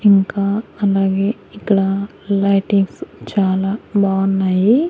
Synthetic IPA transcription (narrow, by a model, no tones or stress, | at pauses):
iŋkaːɐlaːɡeː | ikːɐɽa | lɐjʈiŋɡst͡ʃaːlaːbaːunːaːji